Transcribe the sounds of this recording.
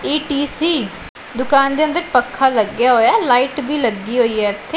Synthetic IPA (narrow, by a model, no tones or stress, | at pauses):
eːʈiːsiː | d̪ʊkaːnd̪eːə̃nd̪əɾpəkʰːaːləɡjaːɦoːjaːlaːiːʈbiːləɡːiːɦoːiːɦɛːt̪ʰe